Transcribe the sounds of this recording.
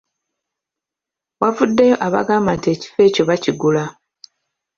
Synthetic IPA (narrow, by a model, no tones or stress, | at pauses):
wavudːejo̞ʔaβa̰ɡaːmbantie̞ːci̥fe̞ːco̞βaciɡula